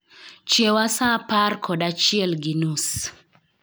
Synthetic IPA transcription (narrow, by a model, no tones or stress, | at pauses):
t͡ʃewasaparkʰɔdat͡ʃɪɛlɡinus